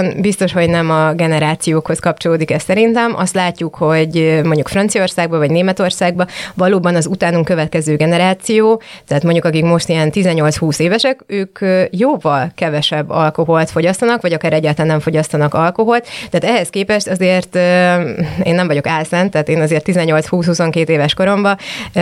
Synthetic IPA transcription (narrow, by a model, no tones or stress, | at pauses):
nbist̪o̞ʃho̞ɟnɛmɒɡɛnɛɾaːt̪sijoːkho̞skɒp̚t͡ʃo̞loːd̪ikɛst̪sɛɾint̪ɛmʔɒ̰st̪laːcːukho̞ɟmo̞ɲɟukfrɒnt̪sijo̞rsaːɡ̚bɒvɒɟneːmɛt̪o̞rsaːɡ̚bɒvɒloːbɒnɒzut̪aːnuŋkøvɛt̪̚kɛzøːɡɛnɛɾaːt̪sijoːt̪ɛɦːt̪mo̞ɲɟukɒkikmo̞ʃt̪ijɛnt̪izɛɲːo̞lt̪shuːseːvɛʃɛkøːkjoːvɒlkɛvɛʃɛbːɒlko̞ɦo̞lt̪foɟɒst̪ɒnɒkʋɒɟɒkaːɾɛɟːaːt̪lɛnːɛɱfo̞ɟɒst̪ɒnɒkɒlko̞ɦo̞lt̪t̪ːɛaːt̪ɛɦɛskeːpɛʃt̪ɒzeːrt̪ | ḛːnːɛmvɒɟo̞kɛlsɛnt̪ɛːt̪eːnɒzeːrt̪ːizɛɲːo̞lt̪shuːshuso̞ŋkeːt̪eːvɛʃko̞ɾo̞mbɒ